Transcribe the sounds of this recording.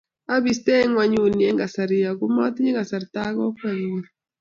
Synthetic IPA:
a˦bi˨st̪ɛ˦ŋwa˨ɲu˨ni˨e˦ŋɡa˨sa˨ɾi˨ja˨ɡu˦mɔ˦t̪ɲe˦ŋɡa˨sa˨ɾt̪a˦ɡɔ˦ka˨ɲu˨a˦˨

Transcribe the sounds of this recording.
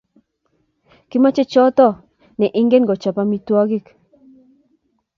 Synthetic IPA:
ki˦ma˦t͡ʃe˦t͡ʃɔ˦t̪ɔ˦ | nɛ˨ʔɪ˦ŋɡe˦nɡɔ˨t͡ʃa˨pa˦mi˨t̪wɔ˦ɡɪ˦k

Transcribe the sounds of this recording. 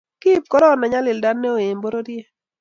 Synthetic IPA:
ki˦p̚kɔ˦ɾɔ˦˨na˨ɲa˦lɪ˨lda˦nːɛ˦o˨e˨mbo˦ɾo˦dje˦

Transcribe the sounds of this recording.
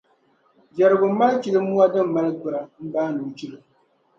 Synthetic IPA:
d͡ʒa˨ɾɨ˨bʊ˨˦ma˦lt͡ʃi˨lɨ˦mːu˦a˦dɨ˦m˨ma˦lɨ˦ɡɨ˨ɾa˨m̩˦baː˦nu˨t͡ʃi˦lɨ˦˨

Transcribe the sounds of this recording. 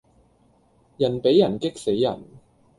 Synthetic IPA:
jɐ˨˩npe˨˥jːɐ˨˩nkɪ˥k̚se˨˥jːɐ̰˨˩n

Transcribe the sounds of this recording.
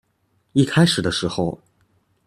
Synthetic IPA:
i˥˩kʰa˥ɪʂɻ̩˨˩d̪ə˦ʂɻ̩˧˥xo˧ʊ

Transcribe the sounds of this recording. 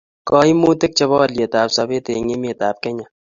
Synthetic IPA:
kɔ˦i˦mu˦tɪ˦k̚t͡ʃɛ˦bɔ˦lje˨ta˨psa˨be˦te˨ŋe˦me˨ta˨p̚kɛ˦ɲa˨

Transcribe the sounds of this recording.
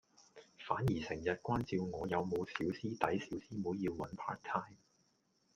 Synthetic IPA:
faː˨˥njiː˨˩sɪ˨˩ŋjɐ˨t̚kʷaː˥nt͡si˧wŋɔː˨˧jɐ˨˧wmo˨˧wsiː˨˥wsiː˥t̪ɐ˨˥jsiː˨˥wsiː˥muː˨˥jjiː˧wwɐ˨˥npʰa̰ː˥t̚t̪ʰaː˥jm

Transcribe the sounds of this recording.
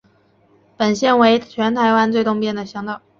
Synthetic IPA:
pə˨˩nɕjɛ˥˩nwe˧˥ɪt͡ɕʰɥɛ˧˥nt̪ʰa˧˥ɪwa˥nt͡swɪt̪ʊ˥˧ŋpjɛ˥˩nd̪ə˩ɕjɑ˧˥ŋt̪ɑ˨˩ʊ

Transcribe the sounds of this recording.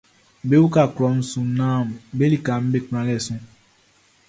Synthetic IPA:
be˦wu˦ka˨kɾɔ˨˦n̩˦su˨˦nãː˦˨m˨be˦li˨ka˨m̩˦be˦˨k͡pã˨ɡɛ˦˨sũ˦

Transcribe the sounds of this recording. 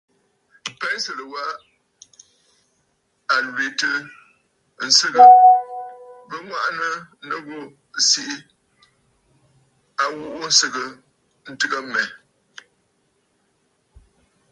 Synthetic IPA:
pɛ˦sɨ˨lə˨wa˦ʔ | a˨lwe˨tɨ˦ | n̩˨sɨ˦ɣə˨ | bə˦ŋwa˦ʔa˦nə˦nə˦ɣo˦ | si˦ʔi˦ | a˨wu˦˨ʔu˦n̩˦sɨ˦ɣə˨ | n̩˨tɨ˦ɣə˦mɛ˨

